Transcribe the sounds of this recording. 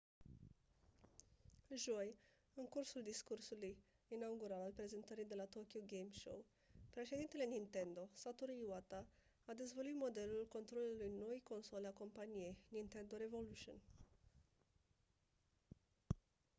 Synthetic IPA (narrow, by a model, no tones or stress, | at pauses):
ʒoj | ɨŋkursuld̪iskursuluj | inauɡuɾalalpɾe̞ze̞nt̪əɾijd̪e̞lat̪okiuɡejmʃo̰w | pɾe̞ʃe̞d̪int̪e̞le̞nint̪e̞nd̪o̞sat̪uɾiwat̪a | ad̪e̞zvoluit̪mo̞d̪e̞lulko̞nt̪ɾo̞lulujnoijko̞nso̞lʲako̞mpanije̞jnint̪e̞nd̪o̞ɾe̞vo̞luʃio̰n